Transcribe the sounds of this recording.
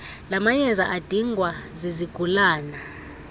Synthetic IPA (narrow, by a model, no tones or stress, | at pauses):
lamaɲɛzaʔad̥ʱiŋʱwaziziɡ̥ʱulaːna